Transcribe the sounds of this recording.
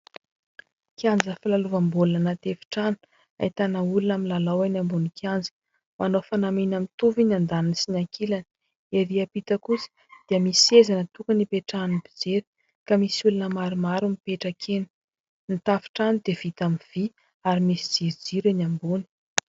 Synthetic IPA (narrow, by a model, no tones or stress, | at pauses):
kiand͡zəfilaluvambulunənat̪efi̥ʈ͡ʂanu̥ | a̰it̪anaulunaminlalawanambunikʰand͡zi̥ | manofanaminamit̪uvinand̪aninsinakilan | eɾiapit̪əkusi̥ | d̪̥iəmisezanət̪ukənipeʈ͡ʂanibid͡zeɾi̥ | kamisiulunəmaɾimaɾumipeʈ͡ʂakʰeni̥ | nit̪afi̥ʈ͡ʂanid̪ev̥it̪amiv̥i | aɾimisid͡ziɾid͡ziɾinambuni̥